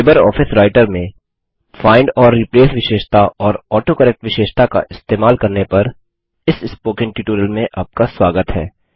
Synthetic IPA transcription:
eːbəɾɔ̰ːfʰɪsɾaːɪʈəɾmẽ | faːɪ̃ɳɖɔːɾːɪpleːsʋɪʃeːʃt̪ʰaʔɔːɾɔːʈoːkɐɾɛːk̚ʈʋɪʃeːʃt̪ʰaka̰ʔɪst̪eːmaːlkɐɾnepɐɾ | ɪsɪspoːkɪ̃ɳʈiːʈuːɾəlmẽʔɐb̚kaswaːɡət̪ɦɛ̰ː

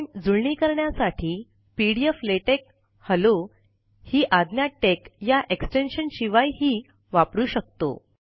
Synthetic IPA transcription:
d͡zuɭɳiːkəɾɳjasaʈʰiː | piɽijəfleʈek | həlo | hiːʔad̪njaʈːekjaʔeksʈenɕənɕiʋajɦiː | ʋapɾuːɕək̚t̪o̰

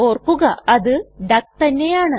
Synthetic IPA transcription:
o̞ːrkːuɣɐɐðɨɖɐk̚t̪ɐnːe̞jaːɳɨ

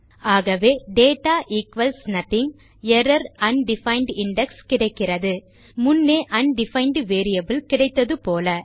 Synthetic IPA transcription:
aːɣɐʋeːɖeːʈːaːʔikʋɐlsnɐt̪ɪŋ | ɛɾɐɾɐnɖɪfɐɪɳɖɪɳɖɛkskɪɽɐɪkːɪrɐðɯ | mʊnːeːʔɐnɖɪfɐɪɳɖʋeːɾɪjɐbɪlkɪɽɐɪt̪ːɐðɯpoːlɐ

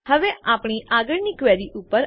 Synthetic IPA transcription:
həʋeaːpɳ̃iʔaɡəɭnikʋɛɾiʔʊpːəɾ

